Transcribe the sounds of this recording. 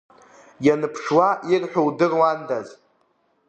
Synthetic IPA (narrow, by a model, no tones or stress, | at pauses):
janɨpʰʂwaʔirħʷᶣowdɨrwandaz